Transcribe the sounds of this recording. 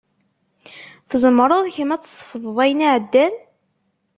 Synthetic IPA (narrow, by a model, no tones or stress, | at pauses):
θəzəmɾˤoðˤçəmæt͡sːsˤə̥fðˤðˤæjnaʕəd̪ːæn